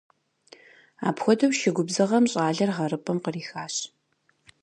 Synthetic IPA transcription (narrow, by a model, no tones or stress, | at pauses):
a̰ːpxʷɔdɐwʃɪɡʷʊbzɨʁɐmɕʼaːɮɐrʁɐɾɨpʼɐmqəriːxaːɕ